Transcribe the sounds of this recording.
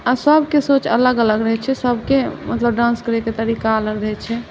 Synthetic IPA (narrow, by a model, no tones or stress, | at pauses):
asəbʱkesot͡ʃə̰ləɡələɡɾəɦɛt͡ʃʰɛsəb̚ʱkemət̪ləbɖãnskəɾeket̪əɾikaələɡɾəɦɛt͡ʃʰɛ